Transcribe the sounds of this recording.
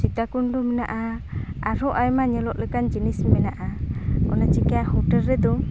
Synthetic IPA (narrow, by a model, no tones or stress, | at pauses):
sit̪akundɔmɛnaʔaaɾɔʔajmaɲɛlɔʔlɛkand͡ʒinismɛnaʔaɔ̰nat͡ʃikɛahɔʈɛɾːɛd̪ɔ